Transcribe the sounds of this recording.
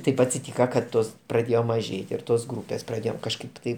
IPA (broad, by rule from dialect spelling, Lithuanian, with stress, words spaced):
ˈtɐɪp ɐtʲsʲɪˈtʲiːkɐ kɐt ˈtoːs prɐˈdʲeːjoː mɐˈʒʲeːtʲɪ ɪr ˈtoːs ˈɡruːpʲeːs prɐˈdʲeːjoːm kɐʃˈkɐɪp tɐɪ